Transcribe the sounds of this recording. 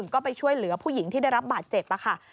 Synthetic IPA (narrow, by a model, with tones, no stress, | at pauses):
ŋkɔː˥˩pa˧jt͡ɕʰu˥˩əjlɯ˩˦ɐpʰuː˥˩ji˩˦ŋt̪ʰiː˥˩da˥˩jɾa˦˥p̚baː˨˩t̪̚t͡ɕe˨˩p̚ʔa˧˩kʰa˥˩